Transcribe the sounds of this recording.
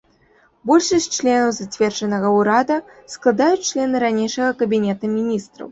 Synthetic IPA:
bɔlʲʂɨsʲt͡ʂlʲɛnɐwzat͡sʲvʲɛrʐɐnɐɣɐwɾad̪ɐsklˠad̪ajut͡sʲt͡ʂlʲɛnɨɾanʲejʂɐɣɐkɐbʲinʲɛt̪ɐmʲinʲist̪ɾɐ̰w

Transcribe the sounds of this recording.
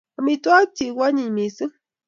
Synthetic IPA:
amit̪uat͡ʃiwaɲimisɨ

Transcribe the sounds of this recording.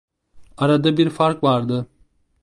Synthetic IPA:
aɾad̪abiɾfaɾkvaɾd̪ɯ

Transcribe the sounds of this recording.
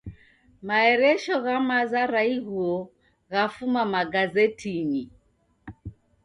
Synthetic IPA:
maɛɾɛʃɔɣamazaɾaiɣuɔ | ɣafumamaɡazɛtʰini

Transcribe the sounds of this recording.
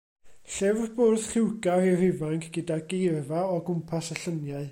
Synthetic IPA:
ɬɛvrboːrð̥χɪwɡarirɪvaŋkʰɡ̥ədaɡejrvaɔɡʊmpʰasəɬənjaɨ

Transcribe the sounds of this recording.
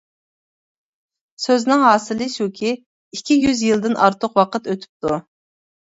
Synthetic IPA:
søznɪŋɦɑːsɨlˠɨsukʲʰi | ikʲʰːijyzjɨlˠd̪ɨnʔɑɾt̪ʰʊqwɑqət̪øt̪ʰy̥p̚t̪ʰu

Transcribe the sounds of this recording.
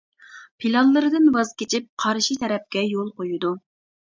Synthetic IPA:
pʰilɑlˠːɨɾɨd̪ɨnwɑzkʲet͡ʃʰip̚qʰɑɾʃit̪ʰɛɾɛp̚kʲɛjolˠqojud̪u

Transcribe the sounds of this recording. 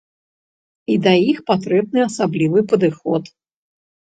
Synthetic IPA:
id̪ɐjixpat̪ɾɛb̚nɨasablʲivɨpəd̪ɨxɔt̪

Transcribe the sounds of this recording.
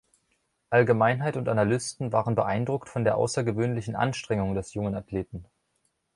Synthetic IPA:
ʔalɡəmaɪnɦaɪtʊntʔanalʏstn̩vaːʁənbəʔaɪndʁʊktfɔndeːɐʔa̰ʊsɐɡəvøːnlɪçn̩ʔa̰nʃtʁ̥ɛŋʊŋdɛsjʊŋənatʰleːtn̩

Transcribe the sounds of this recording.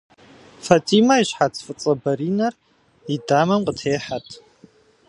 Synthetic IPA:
fatʰʼiːmɐiɕħat͡sʰfɨt͡sʼɐbɐɾiːnɐr | idaːmɐmqʼətʰeːħatʰʼ

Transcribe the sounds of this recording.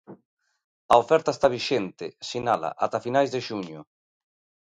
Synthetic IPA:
aofɛɾt̪aest̪aβiʃent̪ɪsinala̰ʔat̪afinajzðeʃuɲʊ

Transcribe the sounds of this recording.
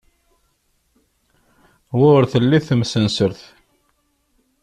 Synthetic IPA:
wʊɾθəlːiθəmsənsəɾθ

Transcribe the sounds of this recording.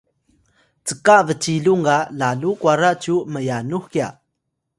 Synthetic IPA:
t͡səkavət͡ɕiluŋɡalalukuaɾaʔt͡ɕuməjanuxkia̰

